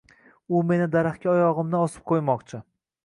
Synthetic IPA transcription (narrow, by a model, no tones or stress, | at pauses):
ʊme̞nɪd̪aɾaχkʲaɒjɒʁɨmnɪɒsɪ̥p̚qʰojmɒqt͡ʃʰɪ